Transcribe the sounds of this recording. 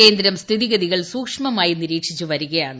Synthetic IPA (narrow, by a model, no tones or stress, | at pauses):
e̞ːnd̪ɾɐmst̪ʰiðiɣɐðiɣɐɭsuːkʂmɐmaːjiniɾiːkʂit͡ɕːuʋɐɾuɣɐjaːɳ